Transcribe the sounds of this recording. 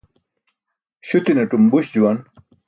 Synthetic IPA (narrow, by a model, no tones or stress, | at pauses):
ɕut̪ineʈumbuɕd͡ʑuwɐn